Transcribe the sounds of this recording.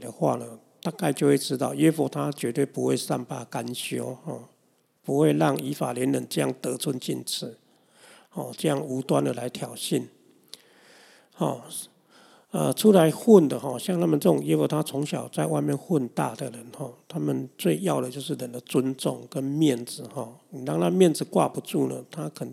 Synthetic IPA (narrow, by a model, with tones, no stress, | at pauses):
d̪ə˩xwa̰˥˩nə˩ | t̪a˥˧ka˥˧ɪt͡ɕjo˥˧ʊwe˥˩ɪʈ͡ʂɻ̩˦˥t̪ɑ˥˧ʊɥɛ˥˦fɔ˨˥˩t̪ʰa˦t͡ɕɥɛ˧˥t̪we˥˩pu˧˥xwḛ˥˧ɪsa̰˥˩npa˥˧˩ka˦˥nɕjo˥hɔ˥˩ | pu˧˥xwe˥˧ɪlɑ˥˩ŋi˧˥fa̰˨˩ljɛ˨˧˦nlə˧˦nʈ͡ʂɤ˥˧ja̰˥˩ŋt̪ə˧˦t͡sʰwʊ˦˥nt͡ɕḭ˥˧nt͡s̩ʰ˨˦ | hɔ˥˨˩ʈ͡ʂɤ˥˧jɑ˥˩ŋu˧˥t̪wa˦˥nd̪ə˨la˧˦ɪt̪ʰjɑ˨˩ʊɕi˥˩n | hɔ˨˩ | ə˨t͡sʰu˦la˨˦ɪxwʊ˥˩nd̪ə˩ɦɔ˥˩ɕja˥˧ŋt̪ʰa˦˥mə˨nʈ͡ʂɤ˥˩t͡sʊ˨˩ŋje˦˥wo˨˩t̪ʰa˦t͡sʰʊ˧˦ŋɕjɑ˨˩ʊt͡sa˥˧ɪwa˥˧ɪmjɛ˥˨nxwʊ˥˧nt̪a̰˥˩d̪ə˨lə˨˦nhɔ˥˩t̪ʰa˦mə˨nt͡swe˥˧ɪjɑ˥˩ʊd̪ə˩t͡ɕjo˥˧ʊʂ̬ɻ̩˥˩lə˨˩nd̪ə˨t͡swə˦nt͡sɔ̰˥˨ŋkə˦nmjɛ˥˩nd͡zɹ̩˨hɔ˥˩ni˨˩la˥˧ŋna˥˧mjɛ˥˨nd͡zɹ̩˨kwa̰˥˨pu˨˧˦t͡su˥˩nə̰˩t̪ʰa˦˥kʰə˨˩n